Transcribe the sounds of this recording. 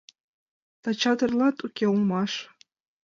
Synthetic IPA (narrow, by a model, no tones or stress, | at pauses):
t̪ɑt͡ɕɑd̪ɤ̆rlˠɑt̪ukʲeulmɑʃ